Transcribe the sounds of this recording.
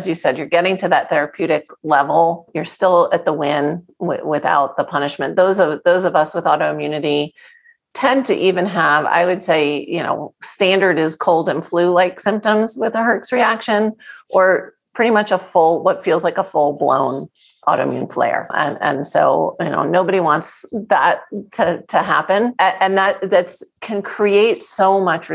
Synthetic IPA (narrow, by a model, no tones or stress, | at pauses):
ɨzjɨsɛdjə˞ɡɛɾɪ̃ŋtʰɨðɨt̪̚θɛɹɨpʰj̥ʉɾɨklɛvl̩ˠjə˞stɪlˠɨt̪̚ðəwɪ̃n | wɪ̰wɪθa̰ʊt̪̚ðəpʰʌñɨʃmɨ̃nðoʊzʌvðoʊzʌvʌswəðɔɾoʊɨ̃mjʉnɨɾi | tʰɛ̃ntʰɨ̰ʔivɨ̃nəva̰ɪwɨd̥seɪjɨ̰no̰ʊstæ̃ndə˞ɾɨz̥kʰoʊlˠdɨ̃nflʉlaɪksɪ̃mp̚tə̃mzwɨðəɦɜ˞ksɹiækʃɨ̃nʔə˞pʰɹ̥ɪɾimʌt͡ʃəfʊlˠwʌtfilˠzlaɪkəfʊlˠblõ̰ʊ̃n | ʔɔ̰ɾo̰ʊmjʉ̰̃nflḛɪə̰˞ɨ̰̃nɨ̰̃nso̰ʊjɨno̰ʊnoʊbɨɾiwɑ̃ntsðət̚ʰɨtʰɨɦæ̰pɨ̃nʔɨ̃nðət̚ðɨtskʰɨ̃nkʰɹ̥ieɪtsoʊmʌt͡ʃɨ